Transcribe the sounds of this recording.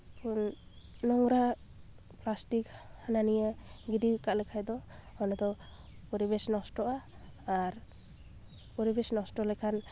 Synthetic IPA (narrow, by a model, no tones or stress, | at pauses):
pʰunnɔŋɾa | plastikhananijaɡidikaʔlɛkʰajd̪ɔɔnɔd̪ɔ | uɾibɛsnɔstɔʔaː | ɾ | uɾibɛsnɔstɔlɛjkʰan